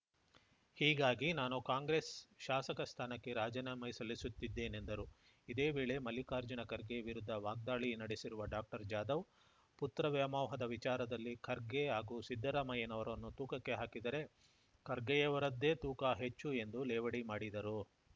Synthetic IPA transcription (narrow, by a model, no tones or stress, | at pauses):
hiːɡaːɡinaːnukaːŋɡɾeːsʃaːsɐkɐst̪ʰaːnɐkːe̞ɾaːd͡ʒɐnɐmɐjsɐlːisut̪ːid̪ːe̞ːnend̪ɐɾu | id̪e̞ːʋeːɭe̞mɐlikaːɾd͡ʒɐnɐkɐɾɡeɐʋiɾud̪ʱːɐʋaːɡ̚d̪aːɭinɐɽesiɾuʋɐɖaːk̚ʈɐɾd͡ʒaːd̪ɐʋ | put̪ɾɐʋjɐmɐːwɦɐd̪ɐʋit͡ʃaːɾɐd̪ɐlːikɐɾɡeɦaːɡuːsid̪ʱːɐɾaːmɐjɐnɐʋɐɾɐnːut̪uːkɐkːe̞ɦaːkid̪ɐɾe̞ | kɐɾɡɛjɐʋɐɾɐd̪ːe̞ːt̪uːkaɦet͡ʃːue̞nd̪ulɛːʋɐɽimaːɽid̪ɐɾu